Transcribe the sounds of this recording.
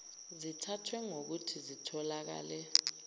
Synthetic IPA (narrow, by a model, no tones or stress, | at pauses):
zitʰatʰwɛŋok̬utʰizitʰɔlak̬a̰ːlɛ